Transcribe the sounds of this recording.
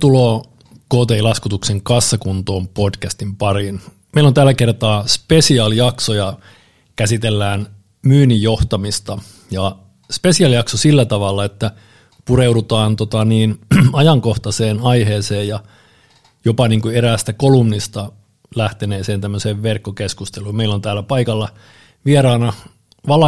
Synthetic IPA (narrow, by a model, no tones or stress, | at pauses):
t̪uloː | koːt̪eilɑskut̪ukseŋkɑsːɑkunt̪oːmpodkæst̪impɑrin | meilont̪ælːækert̪ɑːspesiɑljɑksojɑ | kæsit̪elːæːn | myːnijjo̞ht̪ɑmist̪ɑ | jɑ | spesiɑljɑksosilːæt̪ɑʋɑlːɑet̪ːæ | pureudut̪ɑːnt̪ot̪ɑniːnɑjɑŋkoht̪ɑseːnɑiheːseːjjɑ | jopɑniːŋkueɾæːst̪ækolumnist̪ɑ | læht̪eneːseːnt̪æmːøseːʋʋerkːokeskust̪eluːmmeilont̪æːlːæpɑikɑlːɑ | ʋieɾɑːnɑ | ʋɑlɑ